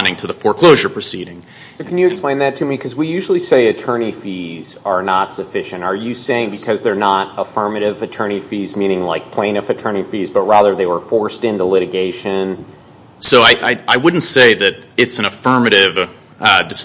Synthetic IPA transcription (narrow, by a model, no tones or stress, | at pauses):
nɪ̃ŋtʰɨðəfɔɹkʰl̥oʊʒə˞pʰɹ̥ɨsiɾɪ̃ŋ | ʌkʰnjɨːɨksplẽɪ̃nðɨtʰɨmikʰʌzwijʉʒl̩ˠiseɪɨtʰɜ̃˞nifiz̥ə˞nətsɨfɪʃɨ̃ntə˞jɨseɪɪ̃ŋbɨkʰʌzðə˞nəɾəfɜ˞mɨɾɪvɨtʰɜ̃˞nifizmĩñɪ̃ŋla̰ɪk̚pʰl̥ẽɪ̃nʌfɨtʰɜ̃˞ñifizbʌt̚ɹæðə˞ðeɪwə˞fɔɹstɪ̃ntulɪɾɨɡeɪʃɨ̃n | soʊaɪʔaɪaɪwʊdⁿn̩tseɪðɨɾɨtsn̩əfɜ˞mɨɾɪv | dɨs